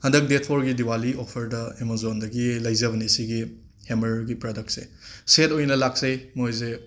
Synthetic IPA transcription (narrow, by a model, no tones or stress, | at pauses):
hɐndɐk̚detʰoɾɡidiwaliopʰɐɾdɐemozondɐɡilɐjzɐβɐnesiɡi | hemɐɾɡipɾodɐk̚t̚sḛsetojnɐlak̚sɐjmojze